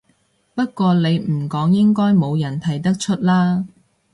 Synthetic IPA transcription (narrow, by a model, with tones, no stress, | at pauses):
pɐ˥t̚kʷɔː˧le˨˧jm̩˨˩kɔː˨˥ŋjɪ˥ŋkɔː˥jmo˨˧wjɐ˨˩nt̪ʰɐ˨˩jt̪ɐ˥k̚t͡ʃʰɵ˥t̚laː˥